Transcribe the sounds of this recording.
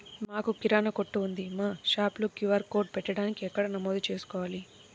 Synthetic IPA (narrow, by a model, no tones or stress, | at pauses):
maːkukiɾaːnɐkoʈːuːnd̪imaːʃaːplukjuʋɐɾkoːɖ̚pɛʈːɐɽaːnikiɛkːɐɽɐnɐmoːd̪ut͡ʃe̞ːsu̥kɔːʋaːli